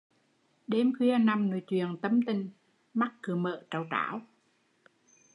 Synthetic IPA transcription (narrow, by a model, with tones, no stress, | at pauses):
ɗe˧mkwi˧ə˧na˧˩mno̰˧˩˦jt͡ɕwḭ˧˨ənt̪ə˧mt̪ï˨˩ŋ̟ | ma˦˥k̚kɨ˨˩əmə̰ː˧˨t͡ɕaː˨˩wta̰ː˧˦w